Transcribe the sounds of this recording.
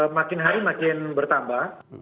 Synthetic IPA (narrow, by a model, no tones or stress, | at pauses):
makinɦaɾimakenbəɾt̪amba